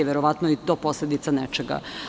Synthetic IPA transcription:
eʋeɾoʋat̪noit̪o̞ːpo̞sled̪it̪sanɛt͡ʃeɡa̰

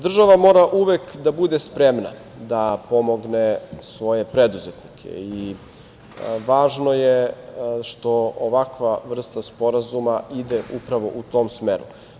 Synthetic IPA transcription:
d̪r̩ʒaʋamo̞ːɾaʔuʋekd̪abud̪espɾemna̰ | d̪apo̞mo̞ɡnesʋo̞je̞pɾed̪uzet̪nikʰḛi | ʋaːʒno̞jeʃt̪o̞oʋakʋaʋr̩st̪aspo̞ɾazumaid̪eʔupɾaʋo̞̰ʔut̪o̞ːmsmeɾu

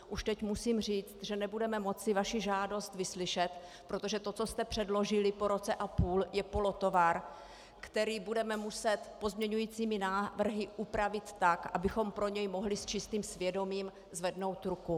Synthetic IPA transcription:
ʔuʃt̪ɛcmusiːmr̝iːt͡st̪ʒɛnɛbudɛmɛmo̞t͡sɪvaʃɪʒaːdo̞st̪vɪslɪʃɛt̪ | pɾo̞t̪o̞ʒɛt̪o̞t͡so̞st̪ɛpr̥ɛdlo̞ʒɪlɪpoɾo̞t͡sɛʔapuːljɛpo̞lo̞t̪o̞vaɾ | kt̪ɛɾiːbudɛmɛmusɛt̪po̞zmɲɛɲujiːt͡siːmɪnaːvr̩ɦɪʔupɾavɪt̪ːakʔabɪxo̞mpɾo̞ɲɛjmo̞ɦlɪst͡ʃɪst̪iːmsvjɛdo̞miːm | zvɛdno̞wt̪ɾuku

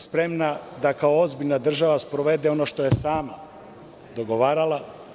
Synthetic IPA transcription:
spɾe̞mnad̪akaoozbiʎʲnad̪r̩ʒaʋaspɾoʋe̞d̪eo̞noʃt̪ojesaːma̰ | d̪o̞ɡo̞ʋaːɾalˠa

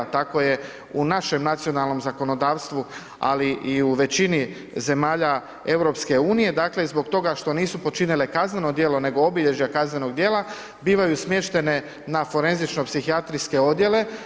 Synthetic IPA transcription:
t̪ako̞je̞ | unaʃe̞mnat̪sijo̞nalˠno̞mzako̞nod̪aːʋst̪ʋu | a̰liʔiuʋe̞t͡ɕini | ze̞maːʎa | e̞wɾo̞pske̞uːnije̞d̪aːkle̞izbo̞ɡt̪o̞ɡaʃt̪o̞niːsupo̞t͡ʃinile̞kazneno̞d̪jeːlˠo̞ne̞ɡo̞obiʎe̞ʒjakazne̞no̞ɡd̪je̞ːlˠa | biːʋajusmje̞ʃt̪e̞ne̞ | nafo̞ɾe̞nzit͡ʃno̞psixiat̪ɾiske̞o̞d̪je̞le̞

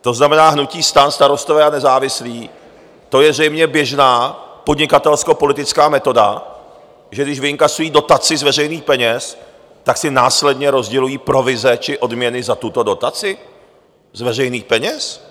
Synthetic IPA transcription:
t̪o̞znamɛnaːɦnuciːst̪anst̪aɾo̞st̪ovɛːanɛzaːvɪsliː | t̪o̞jɛvrɛjmɲɛbjɛʒnaːpo̞dɲɪkat̪ɛlsko̞po̞lɪt̪ɪt͡skaːmɛt̪o̞da | ʒɛɡdɪʒvɪɪŋkasujiːdo̞t̪at͡sɪzvɛrɛjniːxpɛɲɛs | t̪aksɪnaːslɛdɲɛɾo̞zɟɛlujiːpɾo̞vɪzɛt͡ʃɪʔo̞dmɲɛnɪzat̪ut̪o̞do̞t̪at͡sɪ | zvɛrɛjniːxpɛɲɛs

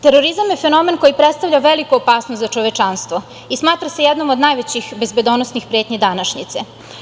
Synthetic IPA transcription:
t̪eɾoɾizamjefe̞no̞me̞nko̞jipɾet̪st̪aʋvʎaʋelikuopaːsnost̪zat͡ʃoʋet͡ʃanst̪ʋo | ismaːt̪ɾase̞jɛd̪nomod̪najʋet͡ɕixbe̞zbe̞d̪onosnixpɾeːt̪ɲed̪anaʃɲit̪se

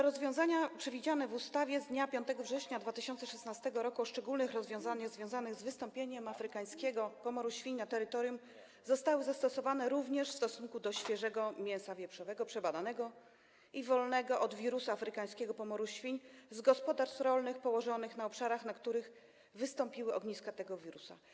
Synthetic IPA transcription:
t̪ɛɾɔzvʲjɔ̃zaɲapʂɛvʲid͡ʑanɛvust̪avʲjɛzd̪ɲapʲjɔ̃nt̪ɛɡɔvʐɛɕɲad̪vat̪ɘɕɔnt̪sɛʂɛsnast̪ɛɡɔɾɔkuɔʂt͡ʂɛɡulnɘxɾɔzvʲjɔ̃w̃zanɘɣzvʲjɔ̃w̃zanɘɣzvɘst̪ɔmpʲjeɲɛmafɾɘkaj̃skʲeɡɔpɔmɔɾuɕfʲiɲnat̪ɛɾɘt̪ɔɾjum | zɔst̪awɘzast̪ɔsɔvanɛɾuvɲɛʂfst̪ɔsunkud̪ɔɕfʲjɛʐɛɡɔmʲjɛ̃nsavʲjɛpʂɔvɛɡɔpʂɛbad̪anɛɡɔ | ivɔlnɛɡɔʔɔd̪vʲiɾusuafɾɘkaj̃skʲɛɡɔpɔmɔɾuɕfʲiɲzɡɔspɔd̪aɾst̪ɾɔlnɘxpɔwɔʐɔnɘxnaɔpʂaɾaxnakt̪uɾɘx | vɘst̪ɔmpʲiwɘɔɡɲiskat̪ɛɡɔvʲiɾusa̰

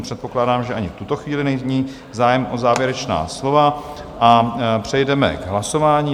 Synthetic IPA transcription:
pr̝̥ɛt̪po̞klaːdaːmʒɛaɲɪft̪ut̪o̞xviːlɪnɛjzɲiː | zaːjɛmʔozaːvjɛɾɛt͡ʃna̰ːslo̞vaʔapr̝̥ɛjdɛmɛ̰ɡɦlaso̞vaːɲiː

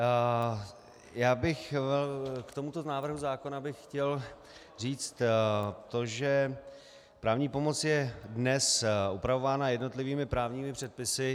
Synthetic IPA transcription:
jaːbɪxvɛlkt̪o̞mut̪o̞naːvr̩ɦuzaːko̞nabɪxxcɛl | riːt͡st̪t̪o̞ʒɛ | pɾaːvɲiːpo̞mo̞t͡sjɛdnɛsupɾavo̞vaːnajɛdno̞t̪lɪviːmɪpɾaːvɲiːmɪpr̝̥ɛt̪̚pɪsɪ

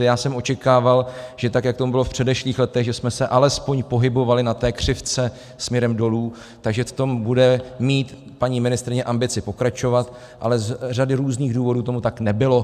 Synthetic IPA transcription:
jaːsɛmʔo̞t͡ʃɛkaːvalʒɛt̪akjak̚t̪omubɪlofpr̝̥ɛdɛʃliːxlɛt̪ɛɣʒɛsmɛsɛʔalɛspo̞ɲpo̞ɦɪbo̞valɪnat̪ɛːkr̝̥ɪft͡sɛ | smɲɛɾɛmdo̞luː | t̪aɡʒɛft̪o̞mbudɛmiːt̪ | paɲiːmɪnɪst̪ɾɪɲɛʔambɪt͡sɪpo̞kɾat͡ʃo̞vat̪ | ʔa̰lɛzradɪɾuːzniːɣduːvo̞duːt̪o̞mut̪aknɛbɪlo̞

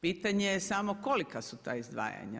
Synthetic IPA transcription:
piːt̪aɲejesamoko̞likasut̪aːizd̪ʋa̰ːja̰ɲa̰

